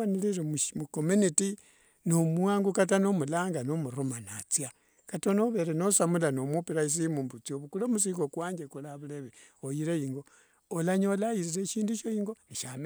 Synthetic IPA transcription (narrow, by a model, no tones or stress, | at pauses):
aniliɾemumukomuniti | nomwaːŋɡukatanomulaːŋɡanomuɾomanat͡sja | katonoβe̞ɾenosamulanomupiɾais̬imumbut͡sioβukulomus̬iːŋɡokwaːɲd͡ʒekulaβuleβe | ojiɾejiŋɡo̞ː | laɲolajiziɾeʃiːnduʃojiŋɡoniʃam